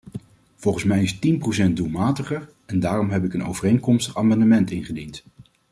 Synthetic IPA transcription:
v̥ɔlˠχən̩smɛjɪstinprowsɛnt̚dulˠmaːtəχəɹ | ɛndaːrɔmɦɛp̬ɪkəno̰wvərejŋkɔmstəχaːmɑndəmɛntɪnχədint

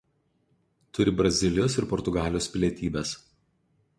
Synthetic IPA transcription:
t̪ʊɾʲɪbɾɐzʲɪlʲɪjoːsɪɾpɔɾt̪ʊɡɑːlʲjoːspʲlʲiɛt̪ʲiːbʲɛs

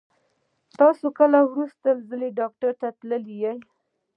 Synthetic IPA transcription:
t̪ɑsokəlawɾust̪alzəleɖɑk̚ʈaɾt̪at̪ləlijaj

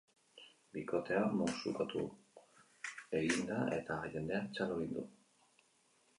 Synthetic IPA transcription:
biko̞t̪e̞amosukat̪ṵ | e̞ɣind̪aʔe̞t̪aʝe̞nd̪e̞at͡ʃaloɾind̪ṵ

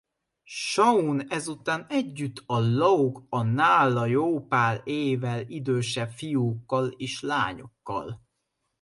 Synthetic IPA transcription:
ʃɒunɛzut̪aːnɛɟːyt̪ʰːɒlɒukɒnaːlːɒjoːpaːleːvɛlid̪øːʃɛfijukːɒleːʃla̰ːɲo̞̰kːɒ̰l

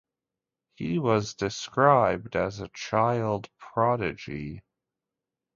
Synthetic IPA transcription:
hiwʌzdɨskɹaɪb̚dɨzət͡ʃʰaɪlˠdpʰɹ̥ɑɾɨd͡ʒi

